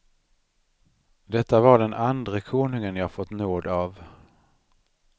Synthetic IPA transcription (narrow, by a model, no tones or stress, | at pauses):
d̪ɛt̪ːavaɖɛnʔand̪ɾəkʰoːnɵŋənjɑːhafɔt̪ːnoːd̪av